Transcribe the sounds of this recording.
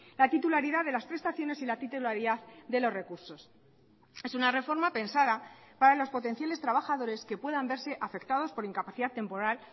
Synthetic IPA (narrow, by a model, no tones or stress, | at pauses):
lat̪it̪ulaɾiðaðe̞laspɾe̞st̪aθjo̞ne̞silat̪it̪ulaɾiðaððe̞lo̞zre̞kuɾso̞s | e̞sunare̞fo̞ɾmape̞nsaðapaɾalo̞spo̞t̪e̞n̟θjale̞st̪ɾaβaxaðo̞ɾe̞ske̞pwe̞ðambe̞ɾse̞ʔafe̞kt̪að̞o̞spo̞ɾiŋkapaθiðat̪ːe̞mpo̞ɾal